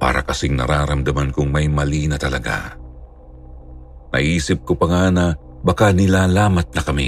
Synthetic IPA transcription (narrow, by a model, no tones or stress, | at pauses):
pa̰ːɾɐ̰kɐsɪŋnɐ̰ɾaːɾɐmd̪ɐmankʊŋmɐjmɐliːnɐt̪ɐlɐɡa̰ | nɐ̰ʔiːsɪp̚kopɐŋanɐ | bɐkanɪlaːlaːmɐt̪̚nɐkɐmḭ